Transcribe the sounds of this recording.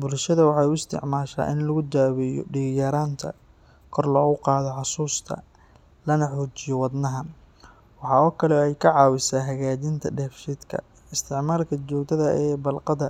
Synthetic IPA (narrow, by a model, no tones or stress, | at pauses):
bʊlʃɐðɐwɑħɑːʊɪst̪ʰɪ̰ʕmaːʃa̰ːʔɪnlɐɣʊd̪aːwɛjɔ̰ɖiɣjaɾaːnt̪ʰɐ̰ | kʰɔrlɔːɣʊqɑːðɔħɑsuːst̪ʰɐ̰ | lɐnɐħuːt͡ʃɪjɔwɑd̪nɐɦɐn | wɑħɑɔːkʰɐlɛɛjkʰɐʕɑːwɪsaːɦɐɣaːd͡ʒɪnt̪ʰɐɖɛːfʃid̪kʰɐ̰ | ɪst̪ʰɪʕmaːlkʰɐt͡ʃɔːkt̪ʰɐðɐʔɛːbɐlqɑðɐ